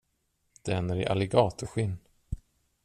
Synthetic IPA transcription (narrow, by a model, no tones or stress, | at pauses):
d̪̥ɛɛnːæɾɪ̰ʔa̰lɪɡɑːt̪ʊɧɪnː